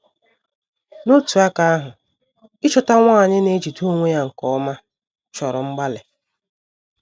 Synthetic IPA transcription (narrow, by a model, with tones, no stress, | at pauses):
no˦tu˨a˦ka˦a˦ɦʊ˨ | ɪ˦t͡ʃɔ˨ta˦ŋʷa˦˨ɲɪ˦ne˦d͡ʒi˨tu˦o˦ŋʷe˦ja˦ŋ̩˨kɔ˦ma˦ | t͡ʃɔ˨ɾɔ˨ŋ͡m̩˦ɡ͡ba˦le˨